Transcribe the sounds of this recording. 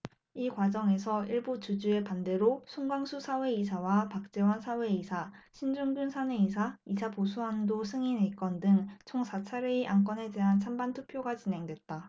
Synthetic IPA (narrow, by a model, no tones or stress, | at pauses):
ikwad͡ʑʌŋe̞sʰʌiɭbut͡ɕud͡ʑue̞pande̞ɾosʰuŋɡwaŋsʰusʰawe̞isʰawapak̚t͡ɕ͈e̞wansʰawe̞isʰaɕʰind͡ʑuŋɡunsʰaneisʰaisʰaposʰuɦandosʰɯŋinek͈ʌndɯŋt͡ɕʰoŋsʰat͡ɕʰaɾeiʔaŋk̬͈ʌne̞de̞ɦant͡ɕʰambantʰupʰjoɡat͡ɕinɦe̞ŋdwe̞t̚t͈a